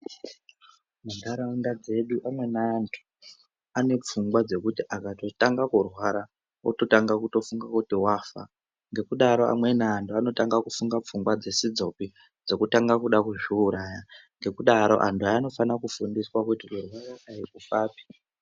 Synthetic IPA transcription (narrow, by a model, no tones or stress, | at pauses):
mundaɾandad͡ze̞ɗuʔamwe̞naːntʰu̥ | ane̞p͡fuŋɡwad͡ze̞kutiʔakato̞taŋɡakurwaɾa | uto̞taŋɡakuto̞fuŋɡakutiwaːfa̰ | ŋɡe̞kuɗaɾo̞a̰mwe̞naːntuano̞taŋɡakufuŋɡap͡fuŋɡwad͡ze̞sid͡zo̞pi | d͡zo̞kutaŋɡakuɗakuʐiuɾaːjaŋɡe̞kuɗaɾo̞̰ʔantʰuaːno̞fanakufundiswakutikurwaɾaʔaikufaːpi̥